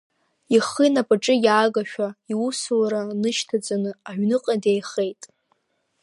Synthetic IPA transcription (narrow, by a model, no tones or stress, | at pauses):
iχinapʼaʈ͡ʂʼɨjaːɡaʃᶣaiusulɾanɨʃtʰad͡zʼanɨaʕʷᶣnɨqʼadejχe̞jtʼ